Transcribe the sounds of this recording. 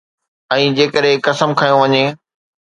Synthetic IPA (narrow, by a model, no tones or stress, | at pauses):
ɛ̃ːd͡ʑeːkəɗɦekɐsəmkʰaːjõʋɐɲeː